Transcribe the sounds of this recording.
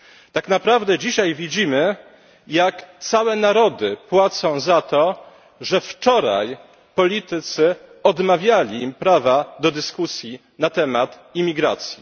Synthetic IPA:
t̪aknapɾavd̪ɛd͡ʑiɕajvʲid͡ʑimɘ | jakt̪sawɛnaɾɔd̪ɘpwat̪sɔ̃w̃zat̪ɔ | ʐɛft͡ʂɔɾa̰j | pɔlʲit̪ɘt̪sɘɔd̪mavʲjalʲimpɾavad̪ɔd̪ɘskusʲji | nat̪ɛmat̪ | imʲiɡɾa̰t̪sʲji

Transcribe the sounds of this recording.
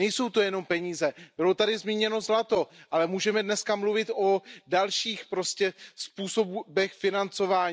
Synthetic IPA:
ɛjso̞wt̪o̞jɛno̞mpɛɲiːzɛb̥ɪlo̞t̪adɪzmiːɲɛno̞zlat̪o̞ʔalɛmuːʒɛmɛdnɛskamluvɪt̪ʔo̞dalʃiːxpɾo̞scɛspuːso̞bbɛxfɪnant͡so̞vaːɲː

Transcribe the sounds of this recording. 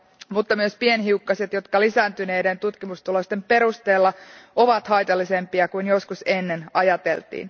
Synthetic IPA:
mut̪ːɑmyøspienɦiukːɑset̪jo̞t̪kɑlisæːnt̪yne̞ːdent̪ut̪kimust̪ulost̪e̞mpe̞ɾust̪e̞ːlːɑo̞ʋɑt̪hɑjt̪ɑlːise̞mpiɑkuinjoskusenːe̞nɑjɑt̪e̞̰lt̪ḭːn

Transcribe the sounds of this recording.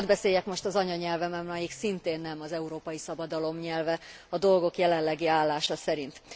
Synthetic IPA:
d̪bɛseːjɛkmo̞ʃt̪ɒzɒɲɒɲɛlvɛmɛmlɒjiksint̪eːnːɛmɒzɛuɾoːpɒjisɒbɒd̪ɒlo̞mɲɛlvɛ | ɒd̪o̞lɡo̞kjɛlɛnlːɛɡiaːlːaːʃɒsɛɾint̪

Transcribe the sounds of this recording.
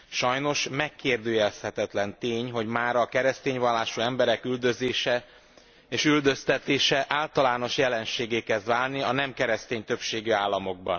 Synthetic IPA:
ʃɒjno̞ʃmɛkʰːeːrd̪øːjɛlshɛt̪ɛt̪lɛnt̪eːɲɦo̞ɟmaːɾɒkɛɾɛst̪eːɲvɒlːaːʃuɛmbɛɾɛkyld̪ø̞zeːʃɛ | eːʃyld̪ø̞st̪ɛt̪eːʃɛʔaːlt̪ɒlaːno̞ʃjɛlɛnʃeːɡeːkɛzd̪ʋaːlniɒnɛmkɛɾɛst̪eːɲt̪ø̞pʃeːɡyaːlːɒmo̞ɡ̚bɒ̰n

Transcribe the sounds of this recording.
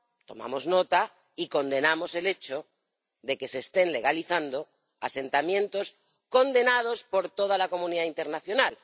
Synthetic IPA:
t̪o̞̰ma̰mo̞zno̞t̪a | iko̞nd̪e̞namo̞se̞le̞t͡ʃo | ðe̞ke̞se̞ːst̪e̞nle̞ɣ̞aliθand̪o̞ | a̰se̞nt̪amjẽ̞nt̪o̞s | ko̞nd̪e̞nað̞o̞spo̞ɾt̪o̞ð̞alako̞mũniðaint̪e̞ɾnaθjo̞nal

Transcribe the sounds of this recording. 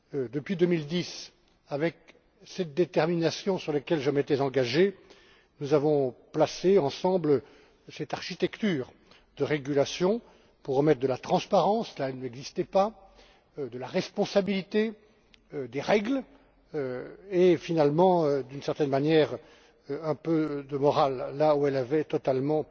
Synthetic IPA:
d̪əpɥid̪ømild̪is | avɛk | sɛt̪̚d̪et̪ɛʁminasjɔ̃syʁlekʲɛlʒəmet̪ɛzɑ̃ɡaʒe | nuzavɔ̃plaseɑ̃sɑ̃bl | sɛt̪aʁʃit̪ɛkt̪yːʁ | d̪əʁeɡylasjɔ̃ | puʁːəmɛt̪χd̪əlat̪χɑ̃spaʁɑ̃slaɛlnɛɡzist̪ɛpa | d̪əlaʁɛspɔ̃sabilit̪e | d̪eʁɛɡl | øefinalmɑ̃ød̪ynsɛʁt̪ɛnmanjɛʁ | ɛ̃pød̪əmɔʁalːauɛlavɛt̪ɔt̪almɑ̃

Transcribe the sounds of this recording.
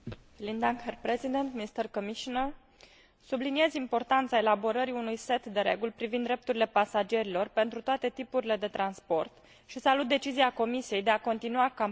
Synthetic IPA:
lind̪aŋkerpɾezid̪ent̪miist̪ərkomiʃonər | sublinie̞zimpo̞rt̪ant̪sae̞labo̞ɾəɾiunujse̞t̪d̪e̞ɾe̞̰ɡulpɾivind̪ɾe̞p̚t̪uɾile̞pasad͡ʒe̞ɾilo̞rpe̞nt̪ɾut̪oat̪e̞t̪ipuɾile̞d̪e̞t̪ɾanspo̞rt̪ | ʃisalut̪̚d̪e̞t͡ʃiziako̞misije̞jd̪e̞ako̞nt̪inuaka

